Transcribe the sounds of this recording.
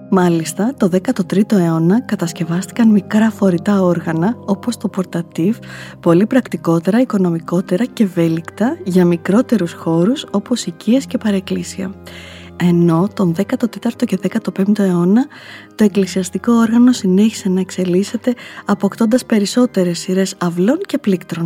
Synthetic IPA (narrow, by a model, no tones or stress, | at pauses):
mɐlist̪ɐt̪o̞ðe̞kɐt̪o̞t̪ɾit̪o̞e̞o̞nɐkɐt̪ɐsce̞vɐst̪i̥kɐnmikɾɐfo̞ɾit̪ɐo̞ɾɣɐnɐo̞po̞st̪o̞po̞ɾt̪ɐt̪ifpo̞lipɾɐkt̪iko̞t̪e̞ɾɐiko̞no̞miko̞t̪e̞ɾɐce̞ve̞likt̪ɐʝɐmikɾo̞t̪e̞ɾusxo̞ɾuso̞po̞sicie̞sce̞pɐɾeklisiɐ̰ | e̞no̞t̪o̞nðe̞kɐt̪o̞t̪e̞t̪ɐɾt̪o̞ce̞ðe̞kɐt̪o̞pe̞mt̪o̞e̞o̞nɐ | t̪o̞e̞klisiɐst̪iko̞oɾɣɐno̞sine̞çi̥se̞nɐe̞kse̞lise̞t̪e̞ɐpokt̪o̞nd̪ɐspe̞ɾiso̞t̪e̞ɾe̞siɾe̞sɐvlo̞nce̞plikt̪ɾo̞n